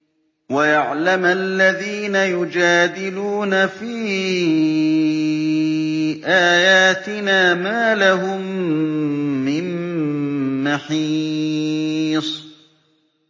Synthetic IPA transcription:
wajaʕlamʔalːaðiːnajʊd͡ʒaːd̪ɪluːnafiː | ʔaːjaːt̪ɪnaːmaːlaɦʊm | ɪnː | aħiː | sˤ

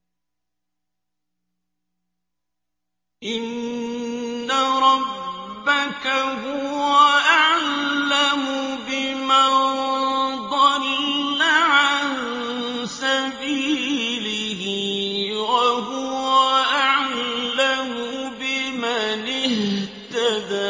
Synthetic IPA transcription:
ʔɪnː | aɾˤɑbbːakaɦʊwwaʔaʕlamʊbɪma | d̪ˤɑɾnaʕan | sabiːlɪ | hɪwaɦʊwaʔaʕlamʊbɪmanɪht̪ad̪aː

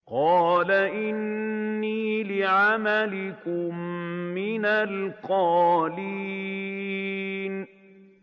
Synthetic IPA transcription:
qɑːlaʔɪnːiːlɪʕamalɪkʊmːɪnalqɑːliː | n

